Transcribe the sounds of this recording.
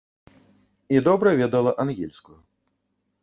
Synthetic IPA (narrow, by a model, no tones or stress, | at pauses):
id̪ɔbɾɐvʲɛd̪ɐlˠɐʔanɣʲilʲskuju